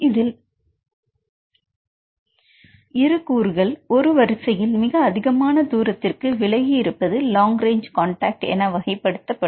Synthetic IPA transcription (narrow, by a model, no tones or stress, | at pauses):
ɪðɪl | ɪɾɯkːuːɾɣɐɭɔɾɯʋɐɾɪsɐjɪlmɪɣɐːðɪɣɐmaːnɐd̪uːɾɐt̪ːɪrkɯʋɪɭɐɣiɪɾɯpːɐðɯlaːŋɡɾeːɲd͡ʒkaːɳʈaːk̚ʈɛ̰nɐʋɐɣɐɪpːɐɽɯt̪ːɐpːɐ